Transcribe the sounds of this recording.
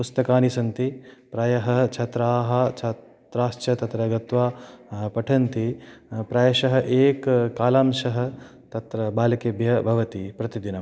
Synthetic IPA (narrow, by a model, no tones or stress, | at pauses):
pust̪ɐkaːnisɐnt̪ipɾaːjɐɦɐt͡ʃʰɐt̪ɾaːɦɐ̆t͡ʃʰɐ | t̪ɾaːʃt͡ʃɐt̪ɐt̪ɾɐɡɐt̪ʋaːpɐʈʰɐnt̪ipɾaːjɐʃɐɦɐ̆ʔeːkkːaːlaːmʃɐɦɐ̆ | t̪ɐt̪ɾɐbaːlɐkeːbʱjɐbʱɐʋɐt̪ipɾɐt̪id̪inɐ